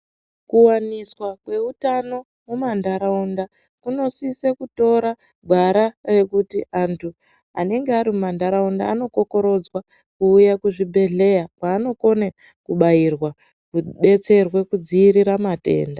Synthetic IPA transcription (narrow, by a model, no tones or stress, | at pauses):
kuwaniswakwe̞utano̞ | mumandaɾaunda | kuno̞sisekuto̞ɾa | ɡʱwaɾare̞kutiʔantʰu | a̰ne̞ŋɡeaɾimumandaɾaunda̰ːno̞ko̞ko̞ɾo̞d͡zwa | kuːjakuʐibʱe̞ɮe̞jakwaːno̞ko̞ne | kuɓajirwa | kuɓe̞t͡se̞rwe̞kud͡ziːɾiɾamate̞̰ːnda